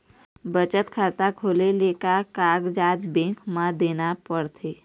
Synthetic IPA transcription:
bət͡ʃət̪kʰat̪akʰoːlelekakaːɡd͡ʒaːt̪bẽŋkmãd̪eːnapəɽt̪ʰeː

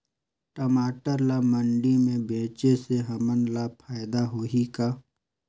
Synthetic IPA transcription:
ʈəmaːʈəɾlaməɳɖimẽbẽːt͡ʃeseɦɐmənlaːpʰaːɪd̪aɦoːɦikaː

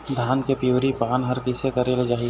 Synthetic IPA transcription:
d̪ʱaːnkepiuːɾipaːnɦɐɾkɪsekɐɾeled͡ʒaːɦi

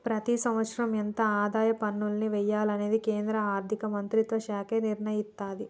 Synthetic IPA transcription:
pɾɐt̪isɐmʋɐt̪sɾɐmjɐnt̪ɐaːd̪aːjɐpɐnːulɐniʋɛjːaːlɐne̞ːd̪ikeːnd̪ɾɐaːɾd̪ʱikɐmɐnt̪ɾit̪ʋɐʃaːkeːniɾɳɐjist̪aːd̪i

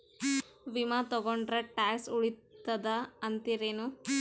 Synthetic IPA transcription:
ʋimat̪ɔɡoɳɖɾɐʈaːksuɭit̪ːɐd̪ɐːnt̪iɾeːnu

